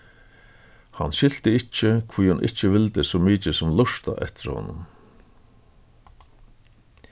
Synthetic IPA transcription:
hanɕɪl̥t̪ɪɪt͡ʃːəkʰviːjhʊnʔɪ̰t͡ʃːəʋɪlt̪ɪsɔːmiːt͡ʃəsʊmlʊʂt̪a̰ʔɛ̰ht̪ɪɾhɔ̰nːʊm

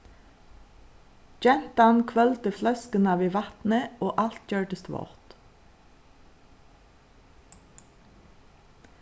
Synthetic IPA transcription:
d͡ʒɛnt̪ɑnkʰʋœlt̪əflœskənɑʋiːʋɑt̪n̩əoːʔɑlt̪jœːɖəst̪ʋɔ̰ʁt̪

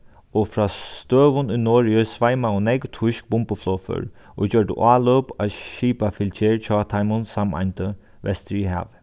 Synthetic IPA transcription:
ofɹaːst̪øːʋʊnʊjnɔːɹɪəsʋajmaʊnɛkt̪ʰʊʃk̚bʊmpəflɔːfə̰ɹ | ʔo̰t͡ɕœɹʈə̰ʔaːloːpaʃiːpafɪlt͡ʃʰeːɹt͡ʃʰɔːt̪ʰajmʊnsama̰jnt̪ə | ʋɛ̰st̪ɾiɦa̰ːʋ

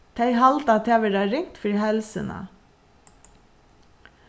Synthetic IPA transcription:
t̪ʰæɪhɑlt̪ɑt̪ʰæːʋəɾɑɾɪŋt̪fɾiːhɛlsə̰nɑ̰

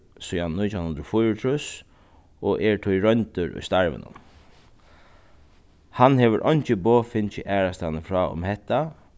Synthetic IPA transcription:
sʊjannʊjt̪ʰanhʊnd̪ɾɔfʊjɾʊt̪ʰɹʊs | ɔʔɛɹt̪ʰʊjɾœɲnt̪ʊɹʊ̰jst̪aɹʋə̰nʊ̰m | hanɦɛːʋəɾʔɔjɲt͡ʃɪboːfɪnt͡ʃɪʔæːɹast̪anəfɹɔːʊ̰mhɛt̪ːa

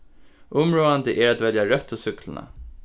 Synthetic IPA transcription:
ʔʊmɾoːand̪əʔæɾat̪vɛljaɾœt̪ʰːɔsʏkləna̰

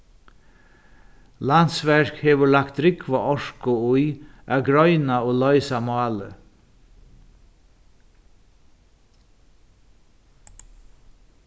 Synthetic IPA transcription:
lansʋæɹkheːʋəlakt̪̚ɾɪkʋaʔɔʂkʊujʔɑːɡɾœʏnaoːlɔʏsamɑːlə

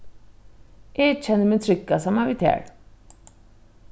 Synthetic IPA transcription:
eːt͡ʃʰənmɪ̃t͡sʰɾɪkːasəmaʋit̪ʰɛ̰ːɽ

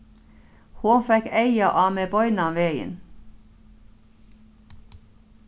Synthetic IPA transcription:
huːfɛkæɪəʔɑːmeːbɔʏnɑʋeːə̰n

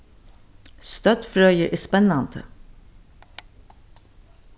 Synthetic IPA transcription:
st̪œt̪fɾœʏəʔɪːspɛnɑnt̪ə̰

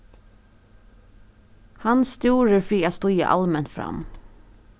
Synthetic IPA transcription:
hɑnst̪juːɾəɹfɾiːaːst̪ʊjə̰ʔɑ̰lmɛnfɾɑ̰m

